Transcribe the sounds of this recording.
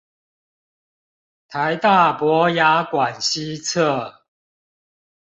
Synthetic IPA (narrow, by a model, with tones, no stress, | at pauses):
t̪ʰa˨˦ɪt̪a˥˨pwɔ˨˦ja˨˦kwa˨˩nɕi˦t͡sʰə˥˨